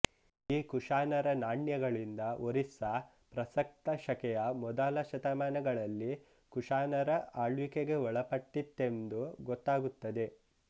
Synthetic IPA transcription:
iːkuʂaːnɐɾɐnaːɳjɐɡɐɭind̪ɐoɾisɐ | pɾɐsɐk̚t̪ɐʃɐkɛjɐmɔd̪aːlɐʃɐt̪ɐmaːnɐɡɐɭɐlːi | kuʂaːnɐɾɐaːɭʋikeɡe̞ɔɭɐpɐʈːit̪ːe̞nd̪uɡɔt̪ːaːɡut̪ːɐd̪e̞

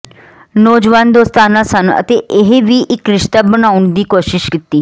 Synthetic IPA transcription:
noːd͡ʒʋaːnd̪oːst̪aːnãːsənə̰t̪eːʔɪɦeʋiːʔɪkɾɪʃt̪aːbənaːʊɳd̪iːkoːʃɪʃkɪt̪ːiː

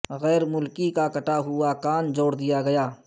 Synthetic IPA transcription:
ɣɛːɾmʊlkikakɐʈaɦʊakaːnd͡ʒoːɽd̪ijaɡɐjaː

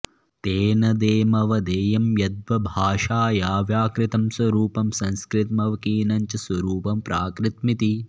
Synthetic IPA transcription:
t̪eːnɐd̪eːmɐʋɐd̪eːjɐmjɐd̪̚ʋɐbʱaːʂaːjaːʋjaːkɾɪt̪ɐmswɐɾuːpɐmsɐ̃nskɾɪt̪mɐʋɐkiːnɐɲt͡ʃɐsʋɐɾuːpɐmpɾʔaːkɾɪt̪mit̪i

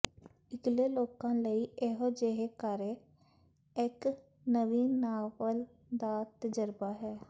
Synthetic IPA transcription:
ɪɡleːloːkãːləiːeɦod͡ʒeɦeːkaɾeː | ɪk | nəʋiːnaːʋəl | d̪aːt̪əd͡ʒəɾbaːɦɛː

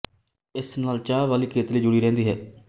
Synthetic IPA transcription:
ɪsnaːlt͡ʃaːʋaːliːkʰeːt̪liːd͡ʒʊɽiːɾɛ̃ːnd̪iːɦɛ̰ː

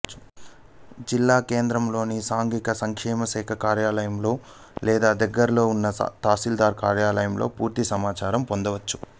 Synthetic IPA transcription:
d͡ʒilːaːkeːnd̪ɾɐmlo̞ːnisaːŋɡikɐsɐŋkʂɛːmɐsɛːkʰɐkaːɾjaːlɐjɐmlo̞ː | lɛːd̪aːd̪ɐɡːɐɾɐlo̞ːunːɐ̰t̪aːsild̪aːɾkaːɾjaːlɐjɐmlo̞̰ːpuːɾt̪isɐmaːt͡ʃaːɾɐmpond̪ɐʋɐt͡ʃːu̥

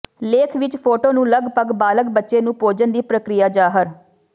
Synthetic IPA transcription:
leːkʰʋɪt͡ʃpʰoːʈoːnũːləɡpəɡbaːləkbətːʃeːnũːpoːd͡ʒənd̪iːpɾəkɾɪjaːd͡ʒaːɦəɾ

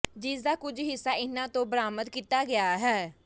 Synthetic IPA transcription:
d͡ʒɪsd̪aːkʊd͡ʒɦɪsːaːɪnãːt̪õːbəɾaːməd̪kiːt̪aːɡɪaːɦɛː

